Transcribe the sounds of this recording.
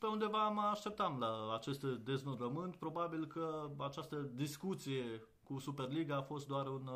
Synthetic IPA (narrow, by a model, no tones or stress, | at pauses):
peund̪e̞vaməaʃt̪e̞p̚t̪amlaat͡ʃe̞st̪d̪e̞znoɾəmɨnt̪̚pɾo̞babilkəat͡ʃast̪əd̪iskut̪sije̞ | kusupe̞rliɡaːfo̞st̪̚d̪oaɾun